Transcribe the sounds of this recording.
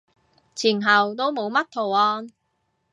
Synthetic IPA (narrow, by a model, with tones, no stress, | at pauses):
t͡sʰiː˨˩nɦɐ˨wt̪̬o˥wmo˨˧wmɐ˥t̚t̪ʰo˨˩wɔː˧n